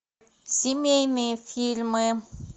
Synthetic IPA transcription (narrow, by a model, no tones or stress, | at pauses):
z̥imemefilimem